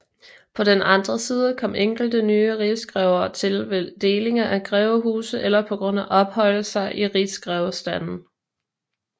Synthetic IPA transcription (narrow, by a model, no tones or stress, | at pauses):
pʰɒ̽d̥enʔɑ̈nd̥ʁɐsiːð̞ˠəkʰɒ̽m̰ʔeŋ̰ɡ̥l̩d̥ənyːəʁisɡ̥ʁɛʊɐt͡sʰe̝lʋed̥e̝ːle̝ŋɐʔæɡ̥ʁɛːʊɦṵːsð̩ˠelɐpʰɒ̽ɡ̥ʁɔ̽n̰æʔɒ̽b̥hɒ̽l̰əsɑ̈ɪʔiʁisɡ̥ʁɛʊsd̥æn̰n̩